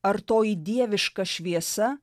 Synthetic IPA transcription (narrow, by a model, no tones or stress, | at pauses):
ɐɾt̪oːjid̪ʲiɛʋʲɪʃkɐʃʲʋʲiɛsɐ